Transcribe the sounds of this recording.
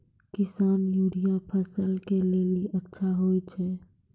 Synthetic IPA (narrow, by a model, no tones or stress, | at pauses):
kɪsaːnjuɽijapʰəsəlkeleliʔətːʃʰaɦojt͡ʃʰɛ